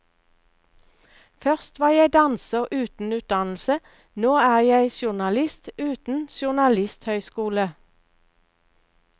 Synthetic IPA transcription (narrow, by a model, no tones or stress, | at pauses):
fœʁst̪ʋɑːjæɪd̪ɑnsəʁʔʉːt̪n̩ʉːt̪̚d̪ɑnl̩sə | noːæːʁjæɪʃʊʁnɑlɪst̪ʉːt̪n̩ʃʊʁnɑlɪst̪hœʏskuːlə